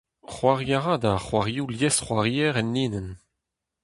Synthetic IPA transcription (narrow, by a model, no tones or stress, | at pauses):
χwaʁjaʁad̪aχwaʁjuljɛsχwaʁiɛʁɛnːiːnən